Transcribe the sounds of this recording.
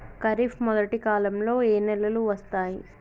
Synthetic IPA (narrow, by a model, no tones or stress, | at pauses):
kɐɾipʰmɔd̪ɐʈikaːlɐmlo̞ːeːnɛlːɐluʋɐst̪aːji